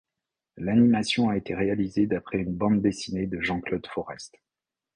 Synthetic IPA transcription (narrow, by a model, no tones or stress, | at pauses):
lanimasjɔ̃aet̪eʁealized̪apχɛynbɑ̃d̪ːesined̪əʒɑ̃klod̪fɔʁɛst̪